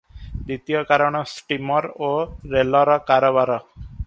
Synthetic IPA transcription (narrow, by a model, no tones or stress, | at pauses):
d̪it̪ijɔkaɾɔɽ̃ɔsʈimɔɾoɾelɔɾɔkaɾɔβaɾɔ